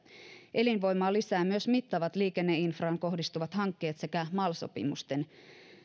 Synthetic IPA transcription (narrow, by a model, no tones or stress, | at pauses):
ʔe̞linʋo̞jmɑːlːisæːmyøsmit̪ːɑʋɑt̪liːkenːe̞infrɑːŋko̞hdist̪uʋɑt̪hɑŋkːe̞ːt̪se̞kæmɑlso̞̰pḭmust̪e̞n